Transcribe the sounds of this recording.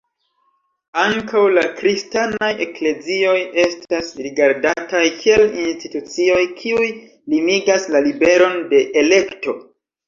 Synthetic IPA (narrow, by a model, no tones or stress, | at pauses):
aŋkawlakɾistanaje̞kle̞zio̞je̞stasɾiɡaɾdatajkʰie̞linstitut͡sio̞jkʰiuj | limiɡaslalibe̞ɾo̞nde̞ʔele̞kto̞